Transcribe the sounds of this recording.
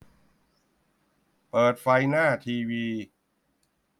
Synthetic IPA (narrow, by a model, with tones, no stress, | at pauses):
pɤː˨˩t̪̚fa˧jnaː˥˩t̪ʰiː˧wiː˧